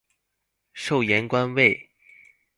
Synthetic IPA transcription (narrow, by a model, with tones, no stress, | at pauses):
ʂo˥˩ʊjɛ˧˥nkwa˥nwe˥˩ɪ